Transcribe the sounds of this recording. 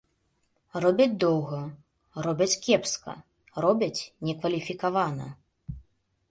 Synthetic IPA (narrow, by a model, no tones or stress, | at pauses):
rɔbʲɐd͡zʲd̪ɔwɣɐ | rɔbʲɐt͡sʲkʲɛpskɐ̰ | rɔbʲɐt͡sʲnʲɛkvɐlʲifʲikavanɐ̰